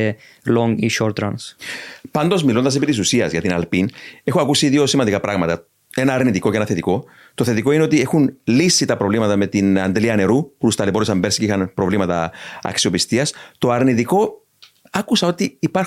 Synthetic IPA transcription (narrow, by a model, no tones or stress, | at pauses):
loŋiʃoɾt̪ɾɐnspɐnd̪o̞zmilo̞nd̪ɐs̬epit̪isusiɐzʝɐt̪inɐlpine̞xuɐkusiðio̞simɐnd̪ikɐpɾɐɣmɐt̪ɐ | e̞nɐːɾnit̪iko̞ceenɐθe̞t̪iko̞ | t̪oθe̞t̪iko̞ineo̞t̪ie̞xunlisːit̪ɐpɾo̞vlimɐt̪ɐme̞t̪inɐnd̪eliɐne̞ɾuput̪ust̪ɐlepo̞ɾisɐmbe̞ɾsi̥ceixɐnpɾo̞vlimɐt̪ɐɐ̰ksio̞pist̪iɐst̪o̞ɐɾnit̪iko̞ | ɐkusɐo̞t̪iːpɐɾ